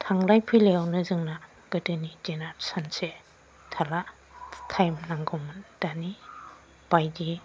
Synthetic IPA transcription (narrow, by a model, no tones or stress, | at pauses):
tʰaŋlajpʰɯleawnɯzɯŋna | ɡ̥ɯdɯnid͡ʒenaɾsanse | tʰala | tʰajmnaŋɡɔmand̥ani | b̥ajdi